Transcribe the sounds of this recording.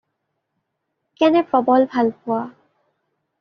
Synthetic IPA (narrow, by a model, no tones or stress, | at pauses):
kɛnɛpɹɔbɔlbʱalpʊwa